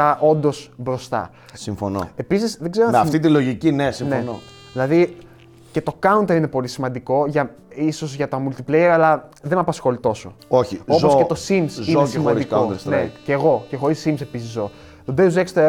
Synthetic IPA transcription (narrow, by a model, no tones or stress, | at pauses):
ɐʔo̞nd̪o̞sbɾo̞st̪ɐ̰ | siɱfo̰no̰e̞pisisðeɡze̞ɾomeɐft̪it̪ilo̞ʝicinesimneno | ðilɐði | ce̞t̪o̞kɐunt̪eine̞po̞lisimɐnd̪iko̞ʝɐ | iso̞zʝɐt̪omult̪iplejeɾɐlɐðe̞mɐpɐsxo̞lit̪o̞so̞oçiopzoscet̪osimszinoesimɐikod̪sneceːɣo̞ce̞xo̞ɾisːimse̞pisizːo̞ | ðud̪euzekst̪e